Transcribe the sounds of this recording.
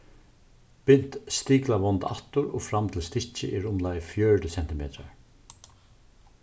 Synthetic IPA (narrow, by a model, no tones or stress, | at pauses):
pɪn̥t̪st̪iːklaʋɔnt̪a̰ht̪ʊɾɔfɾamːt̪ʰɪlst̪ɪt͡ʃɪ̰ʔɛɹʊmlaːjfjœːɹʈɪsɛnt̪ɪmḛːt̪ɹa̰ɹ